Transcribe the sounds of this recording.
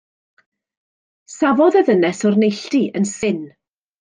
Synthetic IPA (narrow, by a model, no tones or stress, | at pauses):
savɔðɛðənɛsɔrnejɬtiʔənsɪn